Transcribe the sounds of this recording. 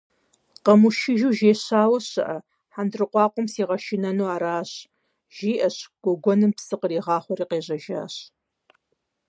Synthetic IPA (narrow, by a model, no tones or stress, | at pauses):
qɐmuʃɪʒuːʒeːɕaːwɐɕɐ̰ʔɐ | ħandrɨqʷɑːqʷɔmsiːʁɐʃɪnɐnuːaːɾaːɕ | ʒ̥iːʔɐɕɡ̥ʷɔɡʷɔnɨmpsɨqəriːʁɑːχʷɔriːqeːʑɐʒa̰ːɕ